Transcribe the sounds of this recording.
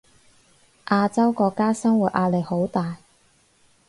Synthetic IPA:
ʔaː˧t͡sɐ˥wkɔː˧kːaː˥sɐ˥ŋwuː˨˩t̚ʔaː˧le˨˩jho˨˥wt̪aː˨j

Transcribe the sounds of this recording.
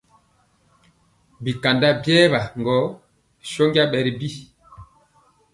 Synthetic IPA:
bi˨ka˨nda˦bjɛ˦βa˨ŋɡɔ˨˦ | ʃɔ˦ŋɡa˦ɓɛ˨ɾi˨bi˦˨

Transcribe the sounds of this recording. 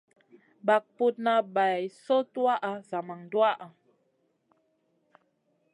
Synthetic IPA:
ba˨k̚pu˦t̚na˦ba˨jso˦twa˦ʔa˨za˨ma˨ŋdwa˦ʔa˨

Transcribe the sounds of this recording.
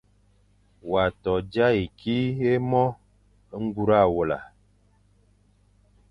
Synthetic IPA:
wa˨tɔ˨d͡ʒa˦i˨kʰi˦e˦mɔ˦ | ŋ̩˦ɡu˦ɾa˦˨wo˨la̰˨

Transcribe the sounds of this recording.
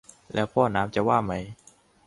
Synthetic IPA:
lɛ̰ː˦˥wpʰɔː˥˩naː˦˥mt͡ɕa˨˩waː˥˩ma˦˥j

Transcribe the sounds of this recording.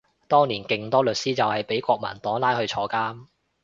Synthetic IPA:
t̪ɔː˥ŋniː˨˩nkɪ˨ŋt̪ɔː˥lɵ˨t̚siː˥t͡sɐ˨whɐ˨jpe˨˥jkʷɔː˧k̚mɐ̰˨˩nt̪ɔː˨˥ŋlaː˥jhɵ˧ɥt͡ʃʰɔː˧kaː˥m

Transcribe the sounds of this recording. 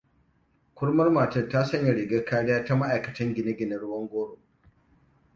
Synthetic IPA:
kʷʊ˦ɽmɐ˦rmaː˨tɐ˦˨taː˦sɐ˦ɲjɐ˨ɽɪ˨ɡa˦kaː˦ɽɪ˦jaː˦ta˦ma˦ʔa˨jkɐ˨tɐ˦ŋɡʲɪ˨nɪ˦ɡʲɪ˨nɐ˨ɽʊ˦wɐ˦ŋɡʷoː˦ɽo˨

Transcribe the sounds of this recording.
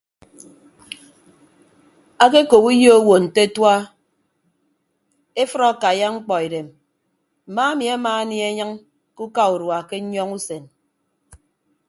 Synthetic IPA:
a˦ke˦ko˨pu˦jo˦o˦wo˨n̩˨te˦twa˦ | e˦fɨ˦ɾɔ˦˨ka˨ja˦ŋ͡m̩˦k͡pɔ˨e˨ɾe˨m | m̩˨ma˦a˦mi˨a˦maː˨˦ni˦e˦ɲɨ˦ŋ | ku˦ka˦u˨ɾwa˨ke˦ɲɔ˦ŋu˦se˨n

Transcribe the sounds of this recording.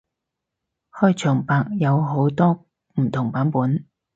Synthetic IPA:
hɔː˥jt͡ʃʰœː˨˩ŋpaː˨˧k̚jɐ˨˧wɦo˨˥wt̪ɔː˥ | m̩˨˩t̪ʰʊ˨˩ŋpaː˨˥npuː˨˥n

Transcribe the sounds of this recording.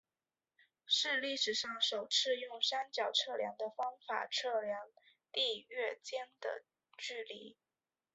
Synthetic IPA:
ʂɻ̩˥˧li˥˩ʂɻ̩˨˩ʂɑ˥˩ŋʂo˨˩ʊt͡sʰɹ̩˥˧jʊ˥˩ŋʂa˥nt͡ɕjɑ˨˩ʊʈ͡ʂʰɤ˥˩ljɑ̰˧˥ŋd̪ə˧fɑ˥ŋfa̰˨˩ʈ͡ʂʰɤ˥˩ljɑ˧˥ŋ | t̪i˥˧ɥɛ˥˩t͡ɕjɛ˥nd̪̥ə̰˨ | t͡ɕy˥˩li˧˥˦

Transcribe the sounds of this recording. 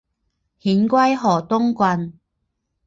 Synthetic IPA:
hiː˨˥nkʷɐ˥jɦɔː˨˩t̪ʊ˥ŋkʷɐ˧n

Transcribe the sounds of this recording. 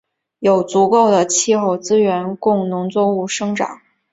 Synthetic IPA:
jo˨˩ʊt͡su˧˥ko˥˩ʊd̪ə˩t͡ɕʰi˥˧xo˥˩ʊt͡sɹ̩˥ɥɛ˧˥nkʊ˥˩ŋnʊ˧˥ŋt͡swɔ˥˧u˥˩ʂɤ˥ŋʈ͡ʂɑ̰˨˩˦ŋ

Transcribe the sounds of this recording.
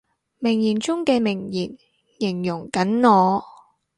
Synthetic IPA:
mɪ˨˩ŋjiː˨˩nt͡sʊ˥ŋkɛː˧mɪ˨˩ŋjiː˨˩n | jɪ˨˩ŋjʊ˨˩ŋkɐ˨˥nŋɔː˨˧

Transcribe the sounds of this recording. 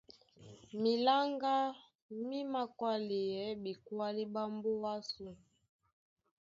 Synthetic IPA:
mi˨la˦ŋɡa˦ | mi˦ma˨kwa˦li˨jɛ˨˦bi˨kwa˦li˦ba˦mbu˦wa˦su˨

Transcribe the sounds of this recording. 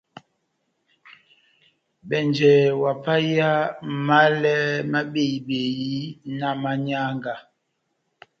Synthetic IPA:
ɓɛ˨nd͡ʒɛ˨wa˨pa˦ja˦ma˦lɛ˦ma˦ɓe˦˨i˨ɓe˨ji˦na˦˨ma˦ɲa˦ŋɡa˨

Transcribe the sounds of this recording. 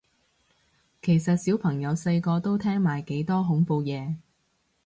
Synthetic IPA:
kʰe˨˩jsɐ˨t̚siː˨˥wpʰɐ˨˩ŋjɐ˨˧wse˧jkɔː˧t̪o˥wt̪ʰɛː˥ŋmaː˨˩jke˨˥jt̪ɔː˥ɦʊ˨˥ŋpo˨˧wjɛː˨˧

